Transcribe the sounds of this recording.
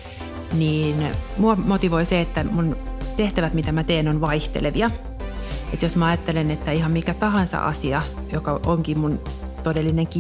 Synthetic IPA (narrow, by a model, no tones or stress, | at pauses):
niːnmuomot̪iʋoiseet̪ːæmunt̪eht̪æʋæt̪mit̪æmæt̪eːnonʋɑiht̪ḛleʋiɑ | et̪josmæɑjɑt̪ːelenet̪ːæihɑmmikæt̪ɑhɑnsɑ̰ʔɑ̰siɑ | jokɑʔoŋkimunt̪odelːineŋki